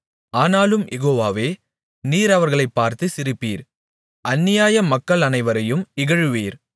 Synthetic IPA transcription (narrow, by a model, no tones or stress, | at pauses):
aːnaːlɯmjʔɛɣoːʋaːʋeː | niːɾɐʋɐɾɣɐɭɐɪpːaːɾt̪ɯsɪɾɯpːiːɾ | ʔɐnːɪjaːjɐmɐkːɐɭɐnɐɪʋɐɾɐjɯmɪɣɐɻɯʋiːɾ